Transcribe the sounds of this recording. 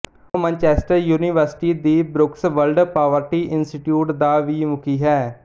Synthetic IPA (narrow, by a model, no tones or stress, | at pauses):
mɛ̃ːɲt͡ʃɛːsʈəɾjuːniːʋəɾsɪ̥ʈiːd̪iːbɾʊksʋəlɖpaːʋəɾʈiːʔɪnsʈiʈjuːʈd̪aːʋiːmʊkiːɦɛː